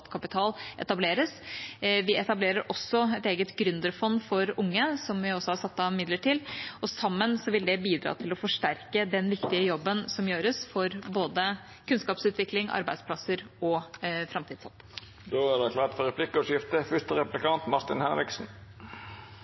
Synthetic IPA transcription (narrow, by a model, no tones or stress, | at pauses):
t̪kʰɑpɪt̪ʰɑːlʔɛt̪ɑbleːɾəsʋɪɛt̪ɑbleːɾəɾʔɔsːɔɛt̪eːɡət̪ɡɾʏnd̪əɾfɔnːfɔɾʊŋːəsɔmʋɪɔsːɔhɑɾsɑt̪ːɑmɪd̪ləʈɪlɔsɑmːənsɔʋɪld̪ɛbiːd̪ɾɑ̰ːt̪ʰɪlɔfɔʂʈæɾkəd̪ɛnʋɪkt̪ɪəjɔbːənsɔmjøːɾəsfɔɾboːd̪ə | kʰʉnskɑːpsʉːt̪ʋɪklɪŋɑ̰ɾbæɪspʰlɑsəɾɔfɾɑmt̪ʰiːd̪sɑ̰t̪ | d̪oːæɖɛkʰlɑːt̪fɔɾɛpʰlɪkːəɔʂɪft̪əfʏst̪əɾɛpplɪkʰɑnt̪mɑɾt̪ɪnhɛnɾɪksn̩